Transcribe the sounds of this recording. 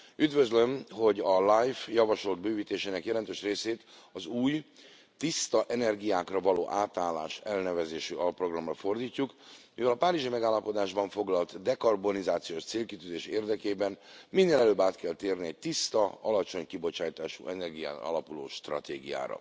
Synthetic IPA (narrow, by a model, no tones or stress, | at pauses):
yd̪vø̞zlø̞mɦo̞ɟɒlajfjɒvɒʃo̞ld̪̚bøːviːt̪eːʃeːnɛkjɛlɛnt̪øːʃreːseːt̪ɒzuːj | t̪ist̪ɒʔɛnɛrɡijaːkrɒvɒloːʔaːt̪aːlːa̰ːʃɛlnɛvɛzeːʃyɒlɒpːro̞ɡrɒmrɒfo̞rd̪iːcːukmivɛlɒpaːɾiʒimɛɡaːlːɒpo̞d̪aːʒbɒɱfo̞ɡlɒlt̪d̪ɛkɒrbo̞nizaːt̪sijoːʃt̪seːlkit̪yːzeːʃeːrd̪ɛkeːbɛnminːeːlɛløːbaːt̪kɛlt̪eːrniɛɟ̚t̪ist̪ɒɒlɒt͡ʃo̞ɲkibo̞t͡ʃaːjt̪aːʃṵʔɛnɛrɡija̰ːt̪ɒ̰lɒpulo̰ːʃt̪rɒ̰t̪eːɡḭja̰ːɾɒ̰